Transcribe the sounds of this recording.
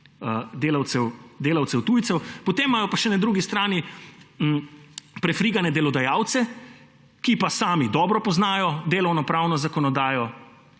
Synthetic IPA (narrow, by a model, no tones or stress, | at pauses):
əd̪eːlawt̪sɛwd̪eːlawtsɛwt̪uːjt̪sɛwpɔt̪eːmːajɔpaʃɛnad̪ɾuɡist̪ɾaːni | pɾɛfɾiːɡanɛd̪ɛlɔd̪ajaːwt̪sɛ | kipasaːmid̪ɔːbɾɔpɔznaːjɔd̪eːlɔwnɔpɾawnɔzakɔnɔd̪aːjɔ